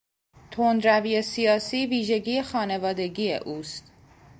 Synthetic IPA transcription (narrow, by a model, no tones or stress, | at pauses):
t̪ʰond̪ɾæviːesijɒːsiːviːʒe̞ɟiːexɒːne̞vɒːd̪e̞ɟiːḛʔuːst̪